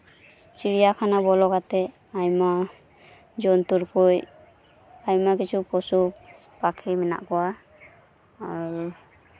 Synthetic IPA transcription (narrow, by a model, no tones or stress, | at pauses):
t͡ʃiɾijakʰanabɔlɔɡat̪ɛ | ajma | d͡ʒɔnt̪uɾkuj | ajmakit͡ʃʰupɔsu | pakʰimɛna̰ʔkɔwa | aɾ